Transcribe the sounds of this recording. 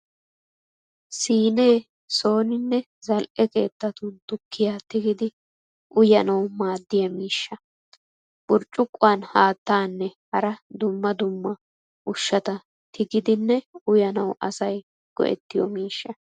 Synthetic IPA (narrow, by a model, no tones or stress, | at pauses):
siːne̞ː | so̞ːnɪnːɛ | zɐlʔɛke̞̰ːt̪ːɐt̪ʊd̪ʊkːɪjaːt̪ɪɡɪd̪ɪ | ʔʊjɐnɐwmaːd̪ːɪjɐmiːʃːɐ | ʔʊɾt͡ʃʼːʊkʼːʊaːnhaːt̪ːaːnːɛhɐɾɐd̪ʊmːɐd̪ʊmːɐ | ʔʊʃːɐt̪ɐ | t̪ʰɪɡɪd̪ɪnːɛʊjɐnɐwʔɐ̰sɐj | ɡ̥ɔ̰ʔɛ̰t̪ːɪjɔ̰miːʃːɐ